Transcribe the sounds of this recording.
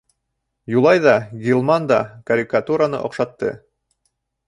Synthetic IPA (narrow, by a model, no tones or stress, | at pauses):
julˠɑjðɑɡʲilˠmɑnd̪ɑkɐɾʲikat̪uɾanɤ̰ʔŏ̰qʃɑt̪ːɤ̰